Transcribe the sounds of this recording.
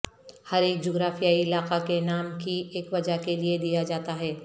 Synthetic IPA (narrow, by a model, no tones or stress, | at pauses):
hɐɾeːk̚d͡ʒoːɡɾaːfijaiɪlaːqakenaːmkieːkʋɐd͡ʒaɦkelied̪ijad͡ʒaːt̪aɦɛː